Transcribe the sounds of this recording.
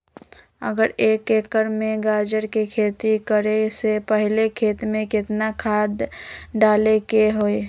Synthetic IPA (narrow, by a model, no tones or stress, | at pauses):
ə̰ɡəɾeːkeːkəɾmẽɡaːd͡ʒəɾkekʰeːt̪ikəɾesepəɦɪlekʰeːt̪mẽkɪt̪nakʰaːd̪ɖaːlekeɦoi